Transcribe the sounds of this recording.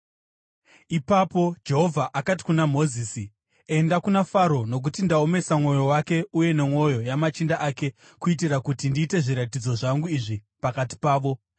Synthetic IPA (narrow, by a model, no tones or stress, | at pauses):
ipapo̞d͡ʒe̞ɦo̞vʱaʔakat̬i̥kunamo̞ziːsi | e̞ndakunafaɾo̞no̞k̬utindaome̞samŋo̞jo̞wake̞uje̞ne̞mwo̞jo̞jamat͡ʃindaʔaːke̞ | kuit̬irakutindiːte̞ʐiɾatid͡zo̞ʐaŋɡuiʐi | pakati̥paːʋo̞